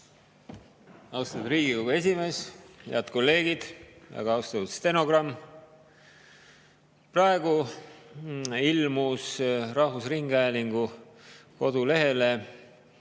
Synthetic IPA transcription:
ɑwst̪ɑnd̪riːɡ̥ikoɡ̥ue̞s̬ʲime̞ːsheɑd̪̥ko̞lːe̞ːɡid̪̥væ̰ɡ̥ɑɑwst̪ɑt̪ut̪st̪eno̞ɡ̥rɑmː | prɑe̞ɡ̥u | ilmusrɑhvusriŋɡ̥ɑjliŋɡ̥u | ko̞d̪ule̞ɦe̞le

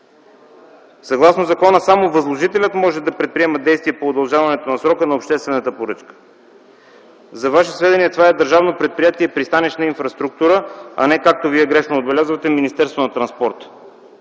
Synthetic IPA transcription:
sɐɡlˠasnozɐkɔnəsamovɐzlˠoʒit̪ɛlʲət̪mɔʒɛd̪ɐpɾɛt̪̚pɾiɛməd̪ɛjst̪viɛpoːd̪ɐlˠʒavɐnɛt̪onɐsɾɔkənɐopʃt̪ɛst̪vɛnət̪əpoɾɤt͡ʃkə̥ | zɐvaʃ̬ɛsvɛd̪ɛniɛt̪ovaɛd̪əɾʒavnopɾɛt̪̚pɾijat̪iɛipɾist̪anɛʃnɐinfɾɐst̪ɾuk̚t̪uɾəɐ̰nɛkak̚t̪oviɛɡɾɛʃnooːd̪̚bɛlʲazvət̪ɛminist̪ɛɾst̪vonɐt̪ɾɐnspɔɾt̪

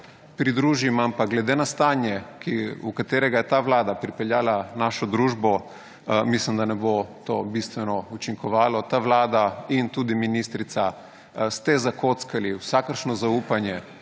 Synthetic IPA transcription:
pɾid̪ɾuːʒimampaɡlɛd̪enast̪aːnjɛkiukat̪eːɾɛɡajɛt̪aʋlaːd̪apɾipɛljaːlanaʃɔd̪ɾuːʒbɔ | mislimd̪anɛbot̪obist̪ʋɛnɔut͡ʃiŋkɔʋaːlɔt̪aʋlaːd̪aint̪uːd̪iminist̪ɾit̪sa | st̪ɛzakot̪skaliwsakəɾʃnɔzauːpanjɛ

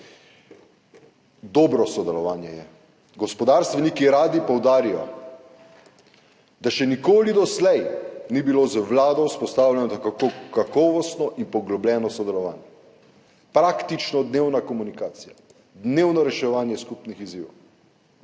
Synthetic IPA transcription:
d̪ɔːbɾɔsɔd̪ɛlɔʋaːnjɛjɛ | ɡɔspɔd̪aːɾst̪ʋɛnikiɾaːd̪ipɔwd̪aːɾijɔ̰ | d̪aʃɛnikoːlid̪ɔslɛjnibilozəʋlaːd̪ɔwspɔst̪aːwljɛnɔt̪akkokakɔːʋɔst̪nɔʔinpɔɡlɔblɛːnɔsɔd̪ɛlɔʋaːnjɛ | pɾakt̪it͡ʃnɔd̪neːwnakɔmunikaːt̪sija | d̪neːwnɔɾɛʃɛʋaːnjɛskupnixiziːʋɔw

